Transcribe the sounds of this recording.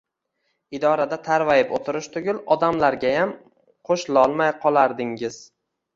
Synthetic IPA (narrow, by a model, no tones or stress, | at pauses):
ɪd̪ɒɾad̪at̪ʰaɾvajɪpot̪ʰɪɾɪʃt̪ʰʊɡʲʊlˠɒd̪amlaɾɡʲajam | qʰoʃlɒlˠmajqʰɒlˠaɾd̪ɪŋɪz̥